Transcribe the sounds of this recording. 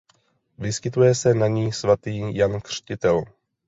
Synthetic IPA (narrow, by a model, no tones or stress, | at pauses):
vɪskɪt̪ujɛsɛnaɲiːsvat̪iːjankr̝̥cɪt̪ɛl